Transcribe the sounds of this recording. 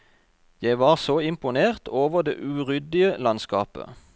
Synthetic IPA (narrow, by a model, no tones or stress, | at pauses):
jæɪʋɑːʁsoːɪmpʊneːʁt̪ʰoːʋəʁd̪ḛːʔʉːʁʏd̪ɪəlɑnskɑ̰ːpə̰